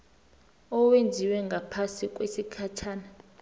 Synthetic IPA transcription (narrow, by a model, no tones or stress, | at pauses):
ɔwend͡zʱiwɛŋɡʱapʰasikʼwesikʰat͡ʃʰaːna